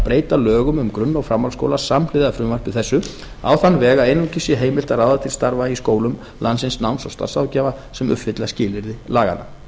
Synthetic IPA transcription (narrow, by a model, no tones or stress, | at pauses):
pɾeːjt̪alœːɣʏmʏmkɾʏnːawfɾamːawlsko̰wlasamlɪðafɾʏmvar̥pvɪðθɛsːʏ | a̰wθanvɛːɣaejnucʰɪsɪɦeːjmɪl̥t̪araːwðat̪ʰɪlst̪aɾvaiskoːwlʏm | lansɪnsnawnsawst̪a̰ɾsawcɛːva | sɛmʏ̰pfɪt̪lascɪːlɪɾðɪlaːɣa̰na̰